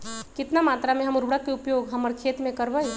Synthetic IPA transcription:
kɪt̪namaːt̪ɾamẽɦɐmʊɾbɽəkːeupjoːɡɦəməɾkʰeːt̪mẽkəɾbəj

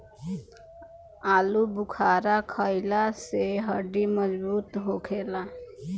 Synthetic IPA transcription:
aːlubʊkʰaːɾakʰəɪlaseɦəɖiməd͡ʒbuːt̪ɦokʰeːla

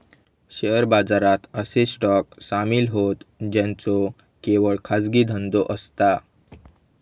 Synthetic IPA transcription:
ɕeəɾbad͡zaɾat̪əsesʈɔksamiːlɦot̪d͡ʑãnt͡sɔ | keʋəɭkʰad͡zɡiːd̪ʱənd̪oʔəst̪a

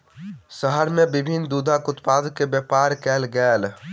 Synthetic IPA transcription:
səɦəɾmẽbɪbʱind̪uːd̪ʱakʊt̪pad̪əkːebjəpaɾkɛːlɡɛːl

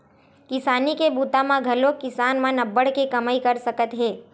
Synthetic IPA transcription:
kɪsaːnikebuːt̪ãmãɡʱɐlokɪsaːnmãnɐbːəɽkekɐmaːikəɾsəkət̪ɦẽː

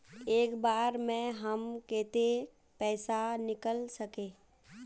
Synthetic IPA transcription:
eːkbaːɾmɛ̃ɦəmkeːt̪e | pɛːsanɪkəlsəkẽː

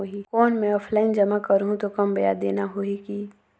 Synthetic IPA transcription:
oikɔːnmɛ̃ɔːpʰlaːɪnd͡ʒɐmakɐɾɦũt̪okɐmbɐjad̪ḛːnaɦoːiki

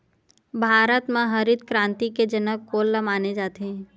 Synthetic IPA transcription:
bʱaːɾət̪mãɦɐɾɪd̪̚kɾãːnt̪iked͡ʒɐnəkkoːlːəmaːned͡ʒaːt̪eɦɛ̃ː

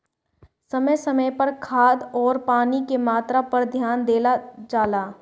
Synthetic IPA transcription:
sɐməjsɐməjpɐɾkʰaːd̪ɔːɾpaːnikemaːt̪ɾapɐɾd̪ʱjaːnd̪eːlad͡ʒaːlaː

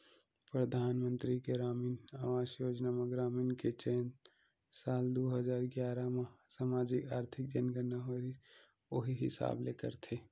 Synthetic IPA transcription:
pɾəd̪ʱaːnmə̃nt̪ɾiɡeɾaːmiːna̰ːʋaːd͡ʒjoːd͡ʒnamaɡɾaːmiːnket͡ʃeːnt̪ | saːld̪oːɦəzaːɾɡjaːɾamasamaːd͡ʒɪkaːɾt̪ʰɪk̚d͡ʒənɡənaɦaɾi | oɦiɦɪ̰sa̰ːbleːkəɾt̪ʰeː

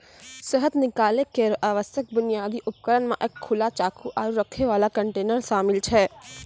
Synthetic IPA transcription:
seɦət̪nɪkaːlekeɾaːʋəst̪ʰjək̚bʊnijaːd̪iʔʊpkəɾənmãʔeːkʰːʊlat͡ʃaːkʰuʔaːɾuɾəkʰːeʋaːlakə̃ɳʈeːnəɾʃaːmɪlt͡ʃʰɛː

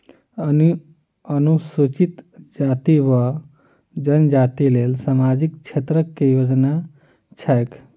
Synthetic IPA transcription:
n | ənusut͡ʃit̪d͡ʒat̪iwə | d͡ʒənd͡ʒat̪ilelsamad͡ʒikt͡ʃʰet̪ɾəkːejod͡ʒna | t͡ʃʰajk

